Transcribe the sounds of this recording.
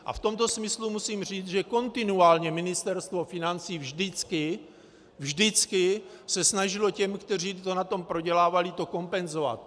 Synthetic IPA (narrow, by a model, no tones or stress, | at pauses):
ʔa̰ft̪o̞mt̪o̞smɪslumusiːmr̝iːt͡sʒɛko̞nt̪ɪnuaːlɲɛmɪnɪst̪ɛɾst̪vo̞fɪnant͡siːvʒdɪt͡skɪ | vʒdɪt͡skɪsɛsnaʒɪlo̞cɛmkt̪ɛr̝iːt̪o̞nat̪o̞mpɾo̞ɟɛlaːvalɪt̪o̞ko̞mpɛnzo̞va̰t̪̚